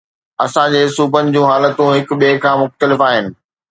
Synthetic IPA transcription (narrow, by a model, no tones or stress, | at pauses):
ɐsãd͡ʑeːsuːpənɪ̆d͡ʑũːɦaːlət̪ũɦɪkɓiekʰãːmʊxt̪əlɪfaːɦɪnɪ̆